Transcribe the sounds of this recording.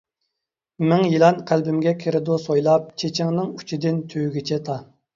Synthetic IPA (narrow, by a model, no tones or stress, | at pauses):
mɪŋjilˠɑnqʰælbɪmɡʲɛkʲʰeɾɪd̪usojlˠɑp̚t͡ʃʰet͡ʃʰɪŋnɪŋu̥t͡ʃʰid̪ɪnt̪ʰøwɡʲit͡ʃʰɛt̪ʰɑ